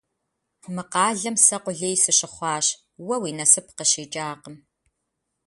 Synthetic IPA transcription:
mɨqɑːɮɐmsɐqʷʊɮeːjsɨɕɪχʷɑːɕ | wɐwiːnɐsɨp̚ʰqəɕeːt͡ʃʼaːqəm

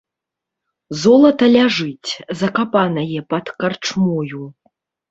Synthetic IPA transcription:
zɔlˠɐt̪ɐlʲaʐɨt͡sʲzɐkapanɐjɛpɐt̪kart͡ʂmɔju

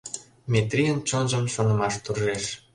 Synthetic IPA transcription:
mʲet̪rʲijənt͡ɕonʒəmʃonə̆mɑʃt̪urʒeʃ

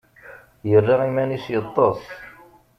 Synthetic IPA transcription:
jərːɑʁimænisjət̪ˤːosˤ

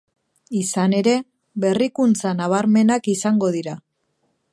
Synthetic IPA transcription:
isane̞ɾe̞ | βe̞rikunt͡sanaβ̞aɾme̞nakisaŋɡo̞ðiɾa

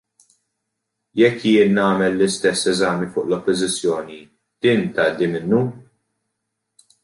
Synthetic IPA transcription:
jɛkːjɪːnːɐːmɛlːɪst̪ɛsːɛzɐːmifʊːʔlɔpːɔzɪt͡sːjɔːni | d̪̥iːnt̪ɐʔd̪imɪnːu

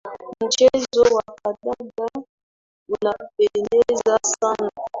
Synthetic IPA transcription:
d͡ʒezowakadaɡa | wonabenezasana

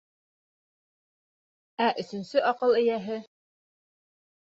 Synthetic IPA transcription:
æʔɵ̆θɵ̆nsɵʔɑqɤlˠɘ̆jæɦɘ

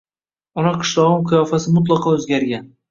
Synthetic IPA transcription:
ɒnaqʰɨ̥ʃlˠɒʁɨmqʰɨjɒfasɪmʊt̪̬lˠɑqʰɒɵzɡʲaɾɡʲan

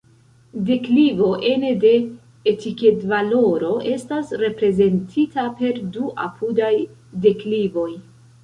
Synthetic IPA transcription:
de̞klivo̞ʔe̞nede̞ː | tike̞tvalo̞ɾo̞ʔe̞stasɾe̞pɾe̞ze̞ntʰitape̞ɾduʔa̰pʰudajde̞klivo̞j

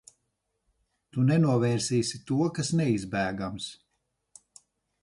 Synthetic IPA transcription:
t̪unɛnuɔvɛːɾsiːsʲit̪uɔkasnɛizbæːɡams

